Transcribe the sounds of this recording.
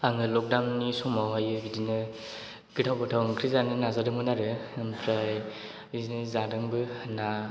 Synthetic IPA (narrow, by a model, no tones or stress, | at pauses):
aŋɯlɔk̚dawnnisɔmawɦajɯbidinɯ | ɡɯtʰawbɯtʰawŋkʰɾizanɯnazadɯmɯnaɾɯmpʰɾaj | bizinɯzadɯŋbɯna